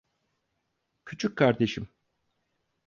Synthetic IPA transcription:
cʰyt͡ʃʰyc̚kʰaɾd̪e̞ʃim

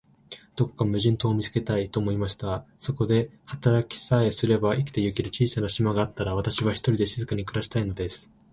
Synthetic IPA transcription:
d̪̥o̞ko̞̥kamɯ̟ʑĩnt̪o̞ːmʲit͡sɨ̥ke̞t̪ait̪o̞ːmo̞imaɕi̥t̪a | so̞ko̞d̪e̞hat̪aɾakʲi̥sae̞sɨɾe̞baʔikʲi̥t̪e̞jɯ̟kʲiɾɯ̟t͡ɕiːsanaɕimaɡaːt̪ːaɾaβ̞at̪aɕiβaçʲi̥t̪oɾʲid̪e̞ɕizɨkaɲ̟ikɯ̟ɾaɕi̥t̪aino̞d̪e̞sɨ̥

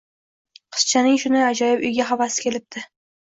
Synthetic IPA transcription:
qʰɨ̥st͡ʃʰanɪŋʃʊnɪad͡ʒɒjɪpʊjɡʲaɦavasɪ̥kʲʰe̞lɪp̚t̪ʰɪ

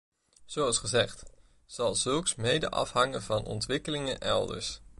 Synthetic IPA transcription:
z̥owɑlˠsχəzɛχt | z̥ɑlˠzɵlˠksmejdə̰ʔɑ̰fɦɑŋənvɑnʔɔ̰ntʋɪkəlɪŋənʔɛ̰lˠdə̰ɹs

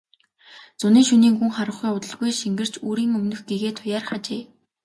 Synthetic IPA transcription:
t͡sʊniːŋʃuniːŋxuŋχaɾə̆χujʊt̪ə̆ɮɣujʃiŋɡɘ̆r̥t͡ɕuːɾiːŋɵmnɵ̆xɡ̥eɣeːt̪ʰʊjaːrχat͡ɕeː

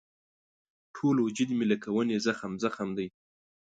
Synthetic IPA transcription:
ʈʰolod͡ʒɪd̪milakawənezaxamzaxamd̪əj

